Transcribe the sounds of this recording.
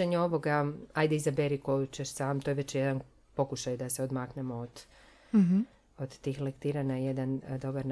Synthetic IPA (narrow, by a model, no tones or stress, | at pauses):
eɲeo̞ʋo̞ɡaajd̪eizabeɾikojut͡ɕeʃsaːmt̪ojʋe̞t͡ɕjed̪an | po̞kuʃajd̪aseo̞d̪maknemood̪̥ | od̪̥t̪ːiːxlekt̪iːɾanajed̪and̪o̞baɾn